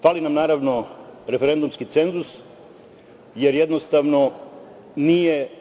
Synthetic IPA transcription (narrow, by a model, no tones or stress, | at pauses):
faːlinamnaːɾaʋnoɾe̞feɾe̞nd̪umskit̪se̞nzus | jeɾjed̪nost̪aʋno̞ | nije